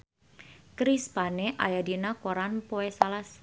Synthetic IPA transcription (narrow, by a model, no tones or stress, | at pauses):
kɾispaneʔa̰jadinakoɾanpoesalas